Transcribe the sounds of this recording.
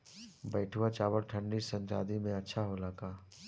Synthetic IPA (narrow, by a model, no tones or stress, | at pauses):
bɐːʈʰuwat͡ʃaːbəɾʈʰə̃ɳɖisɐ̃nt͡ʃa̰ːd̪imẽɐtːʃʰaɦolaːkaː